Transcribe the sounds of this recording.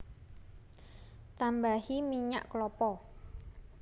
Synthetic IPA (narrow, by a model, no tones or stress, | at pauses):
t̪ambahimiɲa̰ʔklɔpɔ